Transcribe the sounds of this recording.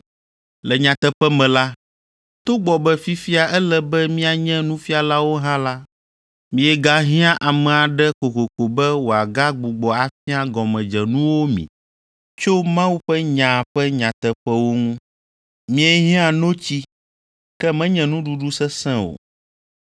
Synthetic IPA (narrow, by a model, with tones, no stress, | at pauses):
lɛ˨ɲã˨t̪ɛ˦ɸɛ˦mɛ̃˨la˦ | t̪o˦ɡ͡bɔ˨bɛ˦fi˦fi˦a˨ʔɛ˦lɛ˦bɛ˦mĩ˦a˨ɲɛ̃˦nũ˦fi˦a˨la˦wo˦ɦã˦la˦ | mĩ˨ɛ˨ɡa˦ɦĩ˦ã˦ʔa˨mɛ̃˨a˨ɖɛ˦ko˨ko˨ko˨bɛ˦wo˨a˨ɡa˦ɡ͡bu˨ɡ͡bɔ˨a˨fi˦a˦ɡɔ˨mɛ̃˨d͡ʒɛ˨nũ˦wo˦mḭ̃˨ | t͡ʃo˦mã˦wu˦ɸɛ˦ɲã˨ɸɛ˦ɲã˨t̪ɛ˨ɸɛ˦wo˦ŋũ˦ | mĩ˦ɛ˦ɦĩ˦ã˨nõ˦t͡ɕi˦ | kɛ˦mɛ̃˦ɲɛ̃˨nũ˦ɖu˦ɖu˦sɛ˦sɛ̃˦o̰˨